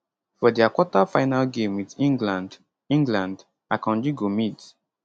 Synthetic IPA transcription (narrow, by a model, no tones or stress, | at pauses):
fɔdiakwɔtafaɪnalɡẽmwitĩŋɡlãnd | ĩŋɡlãnd | akɔ̃nd͡ʒiɡomit